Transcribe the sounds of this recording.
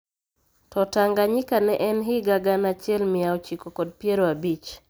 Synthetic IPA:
tɔtaŋɡaɲɪkanɛʔɛnɦɪɡaɡanat͡ʃjɛlmɪaot͡ʃikokɔd̚pjeɾoabit͡ʃ

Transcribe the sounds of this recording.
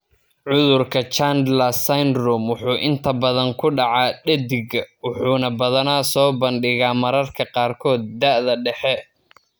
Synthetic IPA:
ʕʊðʊrkʰɐt͡ʃand̪lɐsajnrɔmwʊħuːʔɪnt̪ʰɐbɐðɐŋkʰʊɖɑʕɑːɖɛd̪ɪɡɐwʊħuːnɐbɐðɐnaːsɔːbɐnɖɪɣaːmɐɾɐrkʰɐqɑːrkʰɔːd̪̚ːɐʔðɐɖɛħɛ

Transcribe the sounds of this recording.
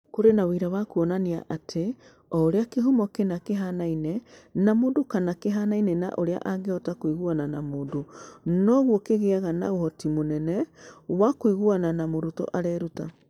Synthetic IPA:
koɾenawiɾawakuɔnaneaʔatʰe | ɔːɾeakeɦomɔkenakeɦanainɛnamoːndokanakeɦanainɛna̰ʔoɾea̰ʔaɡeɔtakwiɣwananamoːndonɔɣwɔkeɣeaɣana̰ohɔtimonɛnɛwakwiɣwananamoɾutɔ̰ʔaɾɛɾuta̰

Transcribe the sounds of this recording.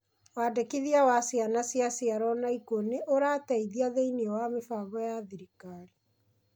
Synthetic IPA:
wadekiðiawasjanasjasiaɾɔnaikoneʔoɾatɛiðiaðeineɔwamefaβɔjaðiɾikaɾi

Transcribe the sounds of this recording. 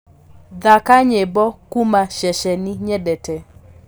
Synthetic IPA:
ðakaɲebɔkumaʃɛʃɛniɲɛdɛtɛ

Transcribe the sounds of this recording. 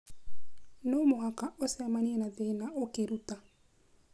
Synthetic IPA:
nomoakaʔosɛmaniɛnaðeːnaʔokeɾuta

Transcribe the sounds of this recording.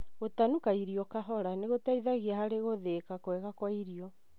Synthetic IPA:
ɣotanukaiɾijɔkaɦɔɾaneɣotaiðaɣiahaɾeɣoðekakwɛɣakwaiɾiɔ

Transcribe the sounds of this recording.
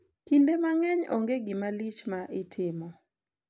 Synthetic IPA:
kindemaŋɛɲo̰ŋɡeɡɪmalit͡ʃmaʔɪtʰɪmɔ

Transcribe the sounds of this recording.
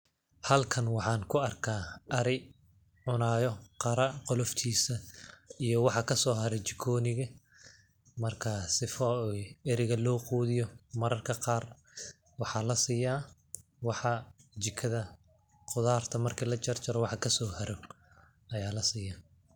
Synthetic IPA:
hɐlkʰɐnwɑħɑːnkʰʊɐrkʰaːɐɾɪ | ʕʊnaːjɔqɑɾɐqɔlɔft̪ʰiːsɐijɔwɑħɑkʰɐsɔːɦɐɾɛt͡ʃɪkʰɔːnɪɣɐ | mɐrkʰɐsɪfɔɛɾɪɣɐlɔːquːðɪjɔmɐɾɐrkʰɐqɑːr | wɑħɑːlɐsiːjaː | wɑħɑt͡ʃɪkʰɐðɐ | qʊðaːrt̪ʰɐmɐrkʰiːlɐt͡ʃɐrt͡ʃɐɾɔwɑħɑkʰɐsɔːhɐɾɔ | ɐjaːlɐsiːjaː

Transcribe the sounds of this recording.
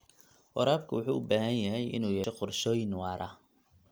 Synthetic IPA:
wɔɾaːbkʰʊwʊħuːʔʊbaːɦɐnjɐɦɛjʔɪ̰nuːjɛːɛqʊrʃɔːjɪnwɑːɾɐ

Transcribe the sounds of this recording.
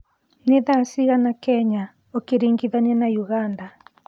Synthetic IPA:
neðasiɣanakɛɲa | okeɾiŋɡiðanianajuɣanda

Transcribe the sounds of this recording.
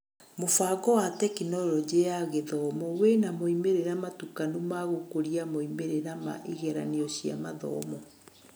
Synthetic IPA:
mofaɡɔwatɛkinɔlɔd͡ʒejaɣeðɔmɔwenamoimeɾeɾamatukanumaɣokoɾiamoimeɾeɾama̰ʔiɣɛɾa̰neɔɕia̰maðɔ̰mɔ

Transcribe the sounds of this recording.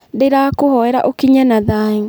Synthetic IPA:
deɾakohɔɛɾa̰ʔokiɲanaðaŋ

